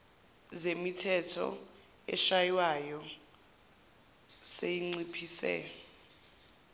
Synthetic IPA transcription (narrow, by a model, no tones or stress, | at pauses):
zemitʰɛtʰɔ̰ | ɛ̰ʃajwajɔ | sejiŋ͡ǀipʰiːsɛ̰